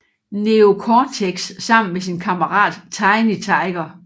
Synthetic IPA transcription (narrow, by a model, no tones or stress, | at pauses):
neo̝kʰɒːt͡sʰeɡ̥sːɑ̈m̰n̩mesinkʰɑ̈mɐʁɑ̰̈ːd̥t͡sʰɑ̈ɪnit͡sʰɑ̈ɪɡ̥ɐ